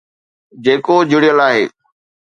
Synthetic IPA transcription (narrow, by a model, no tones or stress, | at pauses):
d͡ʑeːkod͡ʑɪɽijəlaːɦeː